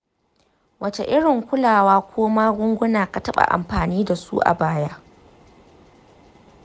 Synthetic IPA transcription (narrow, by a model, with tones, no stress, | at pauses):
wʔɐ˦t͡ʃe˨ʔɪ˦ɽɪ˨ŋkʷʊ˦laː˨waː˦kʷʰoː˦maː˦ɡʷʊ˦ŋɡʷʊ˦naː˨ka˨tɐ˦ɓa̰˨ʔa̰˨mɸaː˨niː˦da˨sṵ˦ʔa̰˨baː˦ja˦